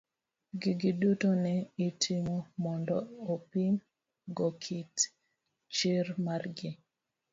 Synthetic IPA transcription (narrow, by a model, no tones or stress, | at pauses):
ɡiɡidutɔnɛitʰimomɔndɔopim | ɡɔkʰit | t͡ʃiɾmarɡɪ